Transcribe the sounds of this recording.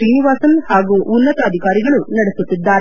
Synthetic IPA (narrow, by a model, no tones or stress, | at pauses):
siːniʋaːsɐnhaːɡuʔunːɐt̪ɐːd̪ʱikaːɾiɡɐɭunɐɽesut̪ːid̪ːaːɾe